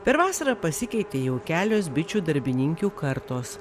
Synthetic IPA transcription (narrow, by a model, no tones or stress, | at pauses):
pʲɛɾʋɑːsɐɾɑːpɐsʲɪkʲɛɪt̪ʲeːjɛʊkʲæːlʲoːs̬bʲɪt͡ʃʲuːd̪ɐɾʲbʲɪnʲɪŋʲkʲuːkɐɾt̪oːs